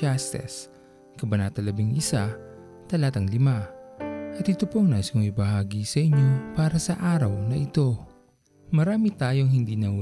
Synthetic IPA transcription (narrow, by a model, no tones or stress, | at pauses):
ast̪ɛ̰s | kɐbɐnaːt̪ɐlɐbiŋʔɪsa | t̪ɐlaːt̪ɐŋlɪma | ʔɐt̪ɪt̪ʊpoŋnasoŋɪbɐhaːɡisɐʔɪɲo̞paːɾɐsɐʔaːɾɐwnɐʔɪt̪o̞ | mɐɾaːmit̪aːjo̞ŋhɪnd̪iːnɐw